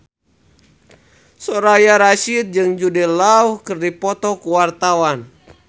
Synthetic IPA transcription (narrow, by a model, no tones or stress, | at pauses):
sɔɾajaɾaʃit̪̚d͡ʒɨŋd͡ʒudɛlauhkɨrdipɔt̪ɔkuwart̪awan